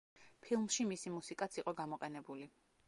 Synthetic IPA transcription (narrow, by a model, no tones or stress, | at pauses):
pʰilˠmʃimisimusikʼat̪sʰiqʼɔɡamɔqʼɛnɛbuli